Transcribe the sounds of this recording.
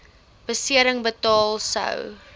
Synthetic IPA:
b̥əsiəɾəŋbətɑːlˠsə̰w

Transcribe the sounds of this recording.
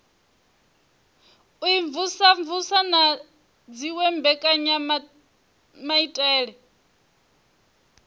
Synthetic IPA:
uiɱvusaɱvusana | d͡ziwɛmbɛkʼaɲa | maitʼɛːɺɛ

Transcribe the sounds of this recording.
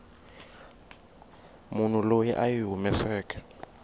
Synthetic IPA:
mun̤ulojiʔajiɦumɛsɛːk̬ʰʼɛ̥

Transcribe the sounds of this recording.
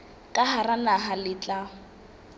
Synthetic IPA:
kʼaharanaɦalɪt͡ɬʼaʊ

